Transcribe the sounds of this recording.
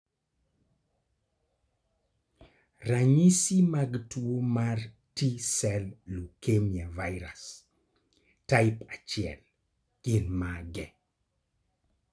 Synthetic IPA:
raɲisimaɡtwomar | tisɛlːukemjavajɾas | taɪpat͡ʃiɛ̰l | kɪnmaɡɛ

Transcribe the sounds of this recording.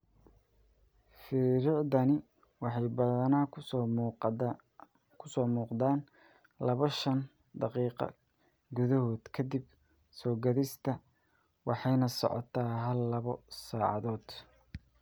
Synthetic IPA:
fɪɾɔdɐnɪ | wɑħɑjbɐðɐnaː | kʰʊsɔːmuːqd̪aːn | lɐβɐʃɐn | d̪ɑqiːqɑ̰ | ɡʊðɐɦɔːd̪kʰɐd̪ib | sɔːɡɐðɪst̪ʰɐ | wɑħɑjnɐsɔ̰ʕɔ̰t̪ʰaːɦɐlːɐβɔsaːʕɑ̰ðɔːd̪̥

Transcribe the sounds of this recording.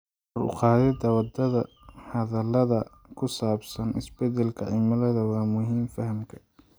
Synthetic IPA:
ɔrʊ̰qɑːðɛd̪ɐwɐd̪ɐðɐ | hɐðɐlɐðɐ | kʰʊsaːbsɐnɪ̰sbɛd̪ɛlkʰɐʕɪmɐlɐðɐwɑːmʊɦiːmfɐhɐmkʰɐ̥

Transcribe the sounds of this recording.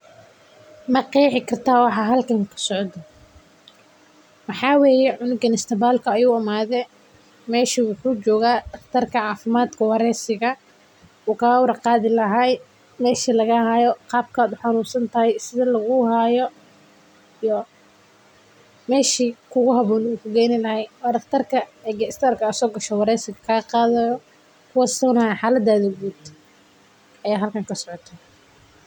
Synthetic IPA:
mɐqiːʕɪkʰɐrt̪ʰaːwɑħɑːɦɐlkʰɐŋkʰɐ̥sɔʕd̪ɔ | mɑħɑːweːjɛʕʊnɪɡɐnɪst̪ʰɐbaːlkʰɐɛjuːɪmaːðɛː | mɛːʃiwʊħuːt͡ʃɔːɣaːd̪ɐt̪ʰɐrkʰɐʕɑːfɪmaːd̪kʰɐwɑɾɛːsɪɣɐ | ɔːkʰaːɣwɾɐqɑːðɪlɐɦaːj | mɛːʃilɐɣɐhaːjɔqɑːb̚kʰaːd̪ʊħanuːsɐnt̪ʰɐɦɛjsɪðɐlɐɣʊhajɔ | ijɔ | mɛːʃiːkʰʊɣʊɦɐβɔːnuːkʰʊɡɛːjnɪlɐɦɛjwɔdɐkt̪ʰɐrkʰɐɛːɡɐst̪ʰaːrkʰɐːsɔːɡɐʃɔwɑɾɛːsɪɣɐkʰɐɣɐqɑːðɐjɔ | kʰʊwɑsɐnɐɛħaːlɐd̪ːaːðɐɡuːd̪ | ɐjaːɦɐlkʰaŋkʰɐsɔʕɔt̪ʰɐ

